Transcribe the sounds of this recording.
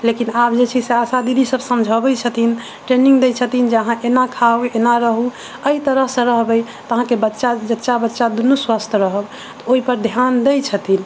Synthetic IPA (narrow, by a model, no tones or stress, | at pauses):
lekinap̚d͡ʒet͡ʃʰiseasad̪id̪ʱisəbsəmd͡ʒʱəbɛt͡ʃʰət̪in | ʈɾeniŋɡd̪ɛjt͡ʃʰət̪ind͡ʒəɦãʔenakʰauenaɾəɦu | əit̪əɾəɦsə̃ɾəɦbɛj | t̪əɦãkebətːʃad͡ʒətːʃabətːʃad̪unuswast̪ʰɾəɦəb | t̪ɔoipəɾd̪ʱjand̪əjt͡ʃʰət̪in